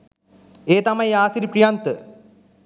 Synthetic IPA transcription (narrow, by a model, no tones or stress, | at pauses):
eːt̪ɐmɐjaːsiɾipɾijaːnt̪ɨ